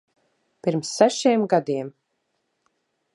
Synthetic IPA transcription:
piɾmsːæʃiɛmɡad̪iɛm

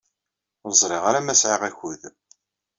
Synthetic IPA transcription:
zˤɾˤɪʁaɾæmæsʕiʁæçuð

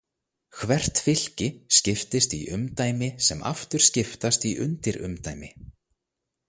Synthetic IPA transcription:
kʰvɛr̥t̪fɪl̥cɪscɪft̪ɪst̪iʔʏmt̪aːjmɪsɛma̰ft̪ʏɾ̥scɪft̪ast̪iʔʏ̰nt̪ɪɾʏ̰mt̪aːjmɪ

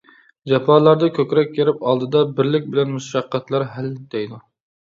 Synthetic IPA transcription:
d͡ʒɑpʰɑːlˠɑɾd̪ɑkʲʰøkʲɾɛkʲːeɾɪpɑlˠd̪ɨd̪ɑbɪɾlɪk̚ʲbɪlɛnmuʃʃɑqːɑt̪lˠɑɾɦæld̪ejd̪u

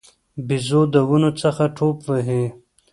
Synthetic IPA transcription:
bizod̪əwunot͡səxaʈʰoːpʋəɦẽ

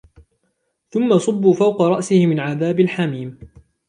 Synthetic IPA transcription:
θʊmːasˤʊbːuːfawqɑɾˤɑʔsɪhɪmɪnʕaðaːbɪlħamiːm

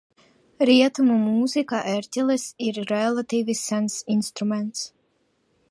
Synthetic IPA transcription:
ɾiɛt̪umumuzikaʔɛɾʲt̪ʲɛlˠɛsiɾːɛlˠat̪iːvisːænsinst̪ɾumɛnt̪s

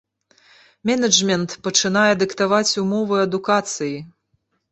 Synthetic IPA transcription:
mʲɛnɐd͡ʐmʲɛnt̪pɐt͡ʂɨnajɛd̪ɨkt̪avat͡sʲumɔvɨɐd̪ukat̪sɨji

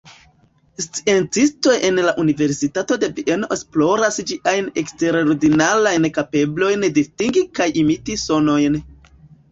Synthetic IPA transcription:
st͡sie̞nt͡sisto̞jʔe̞nlaʔunive̞ɾsitato̞de̞viʔe̞noesplo̞ɾasd͡ʒiʔajne̞kste̞ɾoɾdinalajnkape̞blo̞jndistiŋɡikajimitiso̞no̞jn

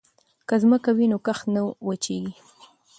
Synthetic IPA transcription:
kazməkawinokaxnəwwət͡ʃeɡi

